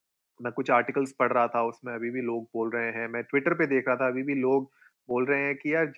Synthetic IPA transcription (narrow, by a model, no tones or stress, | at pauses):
mɛ̃ːkʊt͡ʃʰaːɾʈɪkəlspɐɽ̤ɾɐɦat̪ʰaʊsmẽɐbʱibʱiloːɡ̚boːlɾɐɦẽɦɛ̃mɛ̃ːʈʋɪʈəɾped̪eːkʰɾɐɦat̪ʰaɐbʱibʱiloːɡ̚ | boːlɾɐɦẽɦɛ̃kiaːɾd͡ʒ